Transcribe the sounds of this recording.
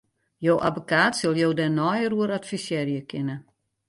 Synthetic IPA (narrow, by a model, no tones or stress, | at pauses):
joːʔabokaːtsølˠjoːdɛnɔjəruəɾatfisjɛːrjəkʰɪnə